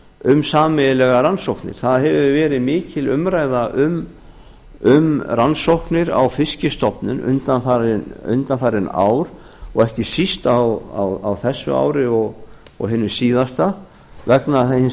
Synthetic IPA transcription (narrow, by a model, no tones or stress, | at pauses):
ʏmsaːmɛðɪlɛɣaɾansowknɪ̰ɾ̥θaðɦɛvʏvɛːɾɪmɪːcɪlʏmɾajðaʔʏm | ʏmransowhknɪɾa̰wfɪscɪst̪ɔpnʏnʏ̰nt̪anfaɾɪʏ̰nt̪anfaːɾɪna̰ːwɾ | ɔɣɛhcɪsist̪awa̰wawθɛsːʏ̰a̰ːwɾɪɔɣ | ɔ̰ɣɦɪːnːʏsiːðast̪a | vɛknaθahɪn